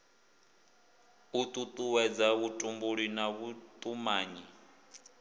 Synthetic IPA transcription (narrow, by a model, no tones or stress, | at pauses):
ut̪ʼut̪ʼuwɛd͡zaβutʼumbuɺinaβut̪ʼumaːɲi